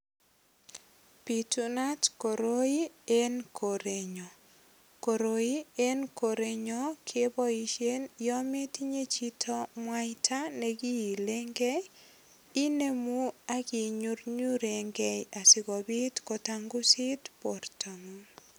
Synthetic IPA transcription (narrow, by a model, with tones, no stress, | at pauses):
pi˨tuna˦tko˨ɾo˦i˦enkʰo˨ɾe˨ɲɔ˨ | ko˨ɾoi˦e˦nko˨ɾe˨ɲɔ˦kʰebɔ˦i˦ʃje˦njɔ˦me˦ti˦ɲe˦t͡ʃi˦tʰo˦mwajtʰa˦ne˨ɡi˦i˨le˦ŋɡe˦ | i˦ne˦mu˦a˦ki˨ɲu˦ɾɲu˦ɾe˨ŋɡɛ˦ja˨sɪ˨kɔ˨bi˦tko˨taŋɡu˦si˦tpo˨rta˨ŋu˦